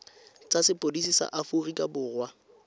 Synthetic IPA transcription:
t͡sʼasɪpʼodisisa̰ʔafurikʼabʊːɣwa

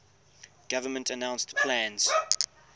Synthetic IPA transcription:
ɡ̥avəmə̃ntʰənãʊ̃nstpʰlæ̃nz̥

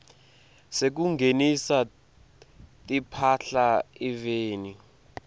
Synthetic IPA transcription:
sek̬uŋɡʱenisa | tʼipʰaɬaiveːni

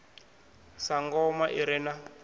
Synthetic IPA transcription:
saŋɡɔmaʔiɾɛna

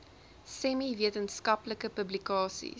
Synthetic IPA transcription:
sɛmiviətənskɐpləkəpəblikɑːsḭ

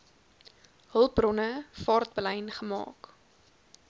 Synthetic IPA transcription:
ɦəlˠpbrɔnəfɑːrt̚blɛjnχəmɑ̰ːk

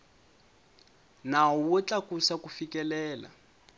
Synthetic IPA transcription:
naɔwut͡ɬakusakufikɛlɛːla̰

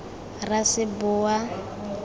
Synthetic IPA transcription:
rasɪbʊa

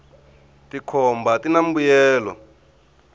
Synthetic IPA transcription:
tikʰɔmbatinambujɛːlɔ̰

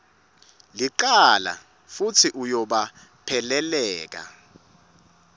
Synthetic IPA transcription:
liǃala̰ | fut͡sʰiʔujɔɓa | pʰɛlɛlɛːk̬a̰

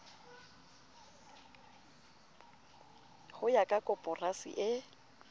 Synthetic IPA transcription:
hʊjakʼakʼɔpʼɔrasḭʔɪ

